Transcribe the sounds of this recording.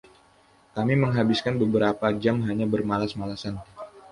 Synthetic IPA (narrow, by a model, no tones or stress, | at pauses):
kamiməŋɦabiskanbəbəɾapad͡ʒamɦaɲabərmalasmalasan